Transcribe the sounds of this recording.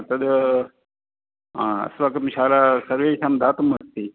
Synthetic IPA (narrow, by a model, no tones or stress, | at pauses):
t̪ɐd̪ | ãɐ̰sʋakɐmɕaːlasɐɾʋeːsamd̪aːt̪umɐst̪ːiː